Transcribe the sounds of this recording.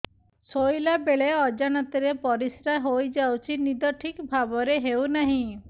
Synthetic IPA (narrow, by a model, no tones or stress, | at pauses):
sojlabeɭeɔd͡ʒanat̪iɾepɔɾisɾaɦojd͡ʒawt͡ʃʰinid̪ɔʈʰikbʱabɔɾeɦewnaɦĩ